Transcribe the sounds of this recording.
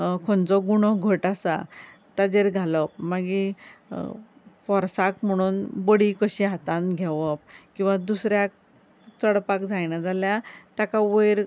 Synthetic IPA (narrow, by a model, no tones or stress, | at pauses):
kʰɔnt͡sɔɡuɽ̃ɔɡʱəʈasa̰ | t̪ad͡ʑeɾɡʱalɔp̚maɡi | fɔɾsakm̤əɽ̃uːnbəɽikəɕiɦat̪anɡʱɛʋəp̚kĩw̃ʋad̪usɾjak̚ | t͡səɽpakd͡zajnad͡zaljat̪jakaʋəjɾ